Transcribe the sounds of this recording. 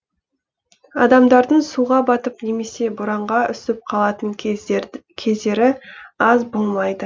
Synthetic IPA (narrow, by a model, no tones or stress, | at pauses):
ɑ̰d̪ɑmd̪ɑɾd̪əɴsuʁɑbɑt̪əpne̞me̞se̞bʊɾɑɴʁɑʏsɪp̚qʰɑlˠɑt̪əŋ | kʲʰe̞zd̪e̞ɾɪɑzbo̞lˠmɑjd̪ə